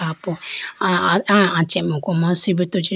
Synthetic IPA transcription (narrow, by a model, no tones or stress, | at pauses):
apʊ | aat͡ʃemukʷomasibitot͡ʃi